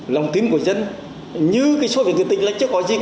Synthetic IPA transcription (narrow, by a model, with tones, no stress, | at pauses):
la˨˩wŋ͡mt̪i˨˦ənku˧˩əzə˧n | ɲɨ˧kaː˨˦jso˨˦vi˨˩k̚ːt̪i˧˨ŋ̟la̰˧˨j̟t͡ɕɨ˨˧˦kɔ˨˦zi˧˨˩